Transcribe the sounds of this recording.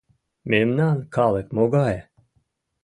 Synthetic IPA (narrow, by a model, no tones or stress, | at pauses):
memnankʰalˠekmoɡaje